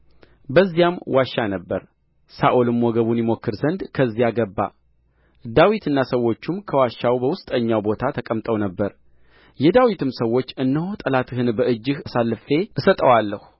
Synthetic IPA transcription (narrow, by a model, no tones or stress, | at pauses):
bəzːijamwʔaʃːanəbːəɾ | saʔolɨmːɔɡəβunjɪmo̞kːɨɾzənd̪kʰəzːijaɡəbːa̰ | d̪awit̪ʰɨnːasəwːo̞t͡ʃːumkʰəwaʃːawbəwʊst̪ʼəɲːawbo̞t̪ʰat̪ʰəkʼəmt̪ʼəwnəbːəɾ | jɛd̪awit̪ʰɨmsəwːo̞t͡ʃːɨnːəhot̪ʼəlat̪hɨnbəʔɨd͡ʒːɨhasalːɨfe̞ɨsət̪ʼəwalːəhu̥